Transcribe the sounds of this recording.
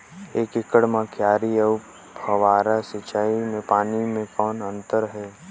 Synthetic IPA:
eːkɪkəɽmãkʰjaːɾiə | əwaːɾasɪt͡ʃaːimẽpaːnimẽkɔːnə̃nt̪əɾɦɛː

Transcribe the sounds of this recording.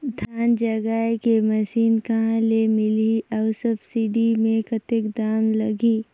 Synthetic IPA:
d̪ʱaːnd͡ʒɐɡaːekemɐʃiːnkɐɦãlemɪliɐʋsəbsiɖimẽkət̪ɪkd̪aːmlɐɡiː

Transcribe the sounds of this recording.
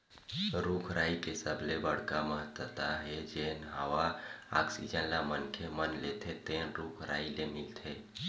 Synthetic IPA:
ɾukʰɾaikesəbʱlebəɽ̤kaməɦət̪wət̪aɦed͡ʒeɦənɦəʋaa̰ksḭd͡ʒənlamənkʰemənlet̪ʰet̪enɾukʰɾa̰ilemilt̪ʰe

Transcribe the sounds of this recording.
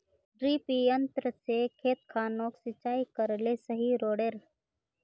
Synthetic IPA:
ɖɾiːpiənt̪ɾəsekʰeːt̪kʰaːnoːksɪt͡ʃaːikəɾlesəɦiɾoːɽeɾ

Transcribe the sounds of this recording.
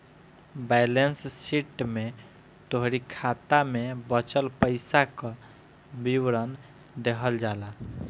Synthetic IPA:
bɛlensːiʈme | t̪oɦɾikʰat̪amebət͡ʃəlpəɪsakə | biwɾən | d̪ekʰəld͡ʒala

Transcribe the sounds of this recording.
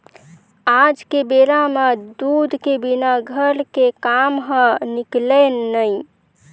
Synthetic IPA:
ad͡ʒkebeɾamed̪ud̪ʱkebinaɡʱəɾkekamɦə̃nikleːəj

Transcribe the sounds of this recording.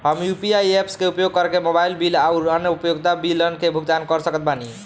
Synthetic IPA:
ɦəmjupiajepskeupjoɡ̚kəɾkemobailbilauɾənjəupjoɡ̚t̪abilənkebʱuɡ̚d̪ankəɾsəkət̪̚bani

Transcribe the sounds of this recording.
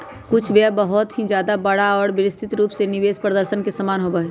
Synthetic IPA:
kʊt͡ʃʰʋjɛbəɦʊt̪ɦid͡ʒjaːd̪abɐɽaɔːɾbɪɾɪst̪ʰɪt̪ɾuːpsenɪʋeːspɾəd̪əɾʃənkesɐmaːnɦobəɦe

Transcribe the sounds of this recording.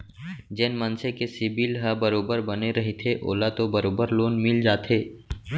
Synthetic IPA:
d͡ʒɛːnmɐ̃nsekesɪbilɦɐbɐɾoːbəɾbɐneɾɐɦet̪ʰeʔo̰ːlat̪obɐɾoːbəɾloːnmɪld͡ʒaːt̪ʰeː

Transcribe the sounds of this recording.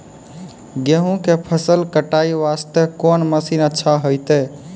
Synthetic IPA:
ɡeɦũkepʰəsəlkəʈaiʋast̪ekonməsinətːʃʰaɦojt̪ɛ

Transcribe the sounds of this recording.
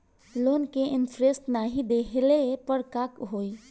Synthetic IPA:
loːnkeʔɪnfʰɾest̪naːɦid̪eːɦlepəɽkaːkɦoːiː

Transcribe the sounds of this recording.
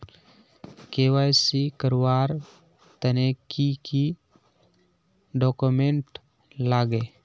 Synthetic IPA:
keːwaːjsikəɾwaːɾ | t̪ənekiki | ɖɔːkumẽɳʈ | laːɡe

